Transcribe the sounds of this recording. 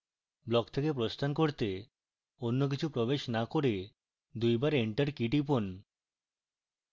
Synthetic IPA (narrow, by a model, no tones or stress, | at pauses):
blɔkt̪ʰekep̬ɾost̪ʰankoɾt̪e | onːok̬it͡ɕʰupɾobeʃnakoɾe | d̪ujbaɾeɳʈaɾkiʈip̬on